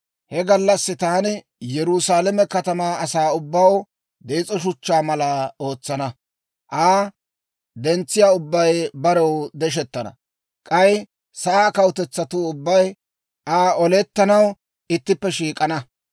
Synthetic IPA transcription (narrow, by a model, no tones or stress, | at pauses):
hɛɡɐlːɐsːɪt̪aːn | jɛɾʊsaːlɛmɛkɐt̪ɐmaːɐsaːʊbːɐw | d̪eːt͡sʼɔʃʊt͡ʃːaːmɐlao̞ːt͡sːɐnɐ | ʔaː | d̪ɛnt͡sːɪjaːʊbːɐjbɐɾɔwd̪ɛʃ̬ɛt̪ːɐnɐ̰ | kʼɐj | sɐʔaːkɐwʊt̪ɛt͡sːɐt̪uʊbːɐj | ʔaːɔlɛt̪ːɐnɐw | ɪt̪ːɪpːɛʃiːkʼɐnɐ